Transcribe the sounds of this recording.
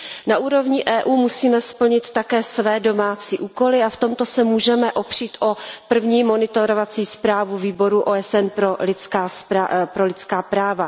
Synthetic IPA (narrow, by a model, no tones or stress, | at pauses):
naʔuːɾo̞vɲɪʔɛːʔuːmusiːmɛspl̩ɲɪt̪ːakɛːsvɛːdo̞maːt͡siːʔuːko̞lɪaft̪o̞mt̪o̞sɛmuːʒɛmɛʔopr̝̥iːt̪ʔo̞pr̩vɲiːmo̞nɪt̪oɾovat͡siːspɾaːvuviːbo̞ɾuʔoːɛsʔɛnpɾolɪt͡skaːspapɾo̞lɪt͡skaːpɾaːva